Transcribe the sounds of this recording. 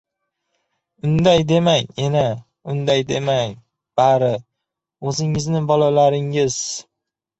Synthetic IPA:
ʊnd̪ajd̪e̞maŋena | ʊnd̪ajd̪e̞maŋ | b̥aɾɪ | ɵzɪŋɪznɪbɒlalaɾɪŋɪz̥

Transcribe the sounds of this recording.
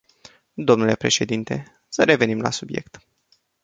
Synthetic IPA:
d̪o̞mnule̞pɾe̞ʃe̞d̪int̪e̞ | səɾe̞ve̞nimla̰subje̞kt̪

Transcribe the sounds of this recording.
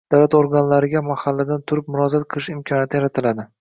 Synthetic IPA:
d̪̥awlat̪oɾɡanlaɾɪɡʲamahalːad̪ant̪ʰʊɾɪp̚mʊɾɒzat̪̚qʰɨlˠɪʃɪmkʰɒnjat̪ʰɪjaɾat̪ʰɪlad̪ɪ

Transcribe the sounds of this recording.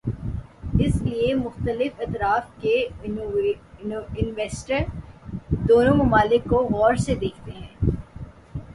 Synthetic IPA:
ɪsliemʊxt̪əlɪfɐt̪ɾaːfke | ɪnʋeːsʈəɾ | d̪oːnõmʊmaːlɪkːoɣɔːɾsed̪eːkʰt̪eɦɛ̃ː

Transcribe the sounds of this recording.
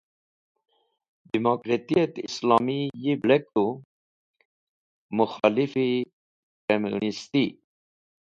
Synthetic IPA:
d̪imokɾet̪iat̪islɑmijiblɛk̚t̪u | muxɑ̰lifi | kamṵnist̪i

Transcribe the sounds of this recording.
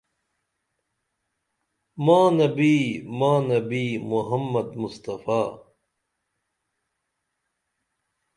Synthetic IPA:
mãːnɐbiːmãːnɐbiːmuɦɐmːɐd̪must̪ɐfaː

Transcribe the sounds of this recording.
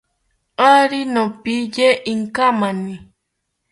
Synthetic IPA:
aɾinõpijeʔiŋkamanĩ

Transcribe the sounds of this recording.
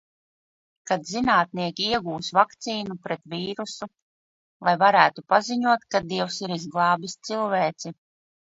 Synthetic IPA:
kad̪zinaːt̪̚niɛkʲiiɛɡuːsvakt̪siːnupɾɛt̪viːɾusu | lˠajvaɾæːt̪upaziɲuɔt̪kad̪iɛwsiɾizɡlˠɑːbist̪silˠvɛːt̪si

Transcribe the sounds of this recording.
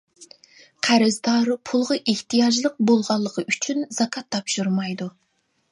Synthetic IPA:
qʰæɾɪzd̪ɑɾpʰulˠʁɑʔeht̪ijɑʒlˠəq̚bolˠʁɑlˠːəqəʔyt͡ʃʰynz̥ɑkʰɑt̪ʰːɑpʃuɾmɑjd̪u

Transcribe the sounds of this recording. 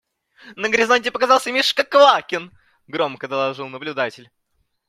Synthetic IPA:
nəɡɾʲɪzanʲtʲɪpəkazɑlˠsʲəmʲiʂkəkvˠakʲɪn | ɡɾo̞mkəd̪əlˠɐʐɨlˠnəblʲʊd̪atʲɪlʲ

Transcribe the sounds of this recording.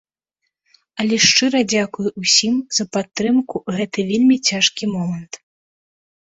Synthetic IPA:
ɐlʲɛʂt͡ʂɨɾɐd͡zʲakujuusʲimz̥ɐpat̪ːɾɨmkuɣɛt̪ɨvʲelʲmʲit͡sʲaʂkʲimɔmɐnt̪

